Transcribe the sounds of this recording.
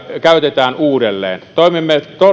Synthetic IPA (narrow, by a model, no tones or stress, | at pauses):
kæˑøt̪et̪æːnʔuːdelːḛːnt̪oˑemimːet̪o